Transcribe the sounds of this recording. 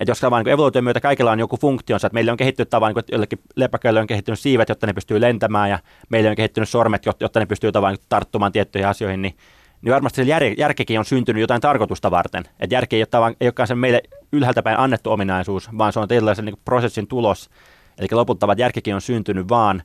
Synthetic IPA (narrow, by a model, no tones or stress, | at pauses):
et̪joskɑʋɑːniːkuoeʋoluːˑt̪iomyøt̪ækɑikelːɑinjokufuŋkt̪ionsɑʋɑt̪meileoŋkehit̪ːynyt̪ɑʋɑlniːkujo̰lːekːi | lepːɑkːˑøilːeioŋkehit̪ːynyssiːʋæt̪jot̪ːɑnepyst̪yːlent̪æmæːjɑ | meilːeioŋkehit̪ːynyssormet̪jot̪jot̪ːɑnepyst̪yːjt̪ɑʋɑniŋt̪ɑrt̪ːumɑːt̪iet̪ːyihiɑsioihinni | niʋɑrmɑst̪isejærejærkikiːonsynt̪ynyjot̪ɑint̪ɑrkot̪ust̪ɑʋɑ̰rt̪ḛnʔḛt̪jærkieijot̪ːɑʋɑŋeijokːɑːnsemeilːeylhælt̪æpæinʔɑnːet̪ːuominɑisuːsʋɑːnseont̪iet̪ylːɑˑiseniŋku̥prosesːint̪ulos | elikːælopult̪ːɑʋɑt̪jærkikionsynt̪ynyʋʋɑːn